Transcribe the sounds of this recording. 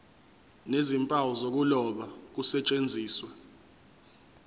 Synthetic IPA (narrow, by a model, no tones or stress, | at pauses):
nezimpʼawɔzok̬ulɔɓak̬usɛt͡ʃʼend͡zʱiːswɛ